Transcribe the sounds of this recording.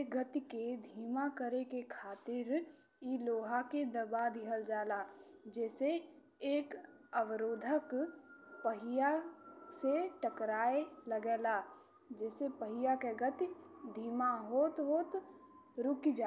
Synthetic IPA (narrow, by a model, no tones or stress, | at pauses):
ɡət̪iked̪ʱiːmakəɾekekʰaːt̪ɪɾiloːɦaked̪əbad̪ʱɪɦəld͡ʒaːlaːd͡ʒɛːse | eːk | əwəɾoːd̪ʱəkpəɦɪjaseʈəkɾaːeləɡeːlaː | d͡ʒɛːsepəɦɪjakeɡət̪id̪ʱiːmaɦoːt̪ɦoːt̪ | ɾʊkid͡ʒa